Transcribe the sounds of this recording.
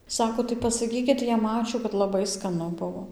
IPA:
ˈsɑːkoː tɐɪ pɐsɐˈkʲiːkʲɪt jɛm ˈɑːt͡ʃʲuː kɐt lˠɐˈbɐɪ skɐˈnʊ ˈbʊʋoː

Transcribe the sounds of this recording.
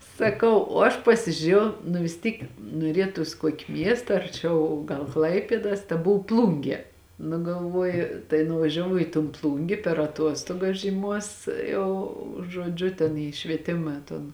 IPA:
sɐˈkɐʊ oː ˈɐʃ pɐsʲɪʒʲʊˈrʲeːjɛʊ nʊ ʋʲɪs ˈtʲiːk nuɔˈrʲiɛtʊs ˈkuɔkʲɪ ˈmʲiɛstɐ ɐrʲˈt͡ʃʲɛʊ ɡɐlˠ ˈklˠɐɪpʲeːdɐs tɐˈbʊw ˈplˠʊŋʲɡʲiɛ nʊ ɡɐlˠˈʋuɔjʊ tɐɪ nʊʋɐʒʲɛˈʋɐʊ iː toːn ˈplˠʊŋʲɡʲeː pʲɛr ɐˈtuɔstuɔɡɐs ʒʲiːˈmuɔs ˈjɛʊ ʒuɔˈd͡ʒʲʊ tʲɛn iː ʃʲʋʲiɛˈtʲɪmɐ toːn

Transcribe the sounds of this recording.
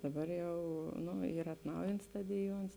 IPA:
dɐˈbɐr ˈjɛʊ ˈnʊ ˈiːr ɐtˈnɐʊjɪnts ˈstɑːdʲɪˌjuɔns

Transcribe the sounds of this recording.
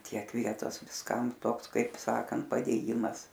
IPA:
ˈtʲiɛk ˈʋʲiɛtoːs ʋʲɪsˈkɐm ˈtoːks ˈkɐɪp ˈsɑːkɐnt pɐdʲeːˈjɪmɐs

